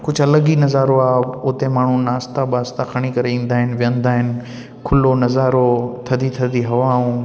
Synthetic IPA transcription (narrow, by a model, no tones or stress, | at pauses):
kʊd͡ʑʱɐləɠinɐzaːɾoaːʊt̪emaːɳ̤ũnaːst̪aɓaːst̪akʰɐɽ̃ikɐɾeĩːn̆d̪aːɦɪnɪʋijə̃nd̪aːɦɪnɪ̆ | kʰʊlonɐzaːɾot̪ʰɐd̪it̪ʰɐd̪iɦɐʋaːɦũː